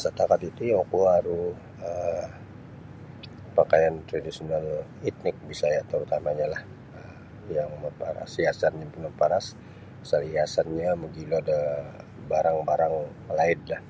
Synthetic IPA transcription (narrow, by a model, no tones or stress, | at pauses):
sət̪akat̪it̪ujokuaɾu | ə | pakajant̪ɾadisional | it̪nɪk̚bisajat̪əɾut̪amaɲalah | ə | jaŋməpaɾa̰siasanjaŋpənapaɾas | saliasanɲaməɡiloada | baɾaŋbaɾaŋ | laɪdlah